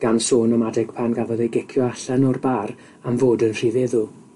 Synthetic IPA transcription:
ɡ̥ansoːnɔmadɛɡ̥pʰanɡavɔðejɡɛkʰjɔaɬanɔrbaːr | amvoːdənr̥ivɛðʊ

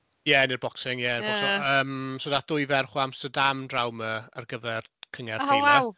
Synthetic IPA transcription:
jɛnɪrbɔksɪŋjɛnbɔsɔəːmsɔdaθd̥ʊjvɛrχwamstədamdrawməərɡəvɛrkʰəŋɛrdʰajwaa

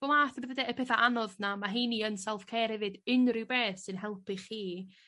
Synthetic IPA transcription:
ɔlˠaːθəbvədaəpʰɛθaʔanɔðnamaɦiːniənsɛlˠfkʰeːɾhɛvɨdɪnrɪwbeːsɨnɦɛlˠpʰɨχiː

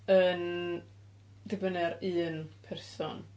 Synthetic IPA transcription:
ən | dɪbənɛɾɨːnpʰɛrsɔ̰n

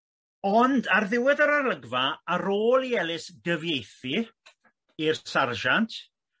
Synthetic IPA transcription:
ɔndarðɪwɪðaɾarləɡvaːɾoːlˠiɛlˠɪsɡ̥əvjejθi | irsarʒantʰ

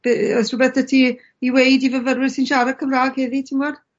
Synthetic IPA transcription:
b̥eɔsəbɛθətʰi | iwejdivəvəɾwɪrsɪnʃaɾə̥kʰəmraːɡ̥heːðitʰɪŋwɔd̥

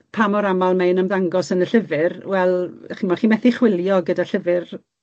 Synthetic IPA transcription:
pʰamɔɾamalˠmejnəmðaŋɡɔsənəɬəvɪrwɛlˠχimɔχiːmɛθiχwɪlˠjɔɡədaɬəvɨr

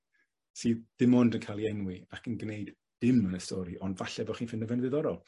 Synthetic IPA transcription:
siːðd̥ɪmɔndənkʰajlˠiɛnwɪakʰənɡnejd | d̥ɪmənəstʰɔɾiʔɔndvaɬɛvɔχiːnfɪnəvɛnðɨðɔɾɔlˠ

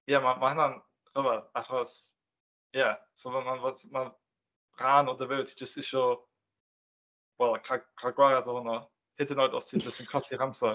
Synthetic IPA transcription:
jamamahanan | r̥əvad̥aχɔs | jasovamanvɔsma | ranɔdəvɪwtʰid͡ʒəstɪʃɔ | wɛlˠkʰakʰaɡwaɾadɔhʊnɔ | hɛdɪnɔːjdɔ̰stʰid͡ʒəstənkʰɔɬiramsɔ

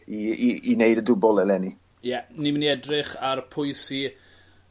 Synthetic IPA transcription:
iiinejdədʊbɔlˠɛlɛni | jɛniməniɛdrɪχarpʰʊɨsi

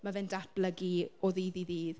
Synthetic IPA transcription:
mavɪndad̥ləɡiɔðiðiðiːð

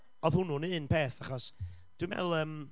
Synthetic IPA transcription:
ɔð̥hʊnʊnɨnpʰeːθaχɔs | d̥wimɛ̰lˠəːm

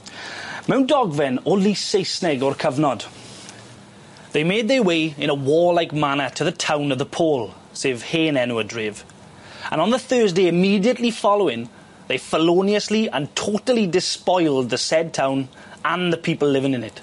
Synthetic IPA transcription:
mãʊ̃nd̥ɔɡvɛ̃nonliseɪsnɪɡəɹkʰʌvnɔd̥ | ðeɪmeɪd̪̚ðəweɪɪ̃ñəwɔːlaɪk̚manətʰəðətʰãʊ̃nəvðəpʰɔːlˠ | seːv̥heːnɛnwədɹɪːv | ə̰̃nə̃nðəθɜːzdeɪɪmiːdiətˡlifɔlˠoʊɪ̃ŋ | ðeɪfəloːniəsliə̃ntʰotəlˠidɪspɔɪlˠd̪̚ðəsɛd̚tʰãʊ̃n | ə̃nðəpʰiˑpəl̩ˠlɪvɪ̃ŋɪ̃nɪt

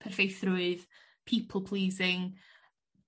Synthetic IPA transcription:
pʰɛrvejθrʊɨð | pʰiːpʰl̩ˠpʰl̥iːzɪŋ

